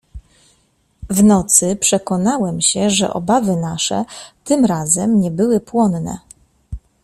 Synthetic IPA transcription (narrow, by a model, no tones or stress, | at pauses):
vnɔt̪sɘpʂɛkɔnawɛmɕɛʐɛ̰ʔɔ̰bavɘnaʂɛ̰t̪ɘmɾazɛmɲɛbɘwɘpwɔnnɛ̰